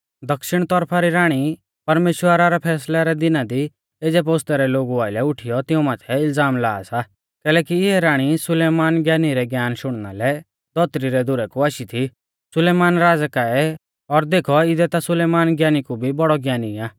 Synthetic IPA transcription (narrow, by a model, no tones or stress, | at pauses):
d̪ɐkʃɪɽ̃t̪ɔɾpʰaɾiɾaːɽ̃i | pɐɾmeːʃwəɾaɾɛpʰɛːslaɾɛd̪ɪnad̪i | ed͡zɛp̬oːst̪ɛɾɛloːɡuaːɪlɛʊʈʰijɔt̪ɪũmaːt̪ʰɛɪlzaːmla̰ːsa | kɛːlɛːkiɪɦɛɾaːɽ̃isʊleːmaːnɡjaːniɾɛɡjaːnʃʊɽ̃na̰lɛ | d̪̥ɔt̪ɾiɾɛd̪ʱʊɾɛkuaːʃit̪ʰi | sʊleːmaːnɾaːd͡zkaɛ | ɔɾd̪eːkʰɔɪd̪ɛt̪asʊleːmaːnɡjaːnikubʱibɔɽɔɡjaːniaː